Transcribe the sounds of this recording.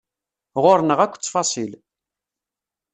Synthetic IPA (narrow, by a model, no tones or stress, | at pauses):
ʁoɾnəʁækʷːt͡sːfɑsˤil